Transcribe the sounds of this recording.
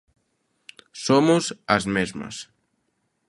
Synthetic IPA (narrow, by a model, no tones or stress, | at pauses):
somuzəzmezmə̰s